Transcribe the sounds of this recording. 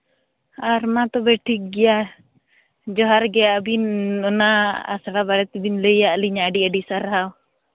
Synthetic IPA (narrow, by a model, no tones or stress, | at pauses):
aɾmat̪ɔbɛʈʰik̚ɡɛja | d͡ʒɔɦaɾɡɛaʔbinɔnaa̰saɽabaɽɛt̪ibinləjaʔliɲaɖiəɖisaɾɦaw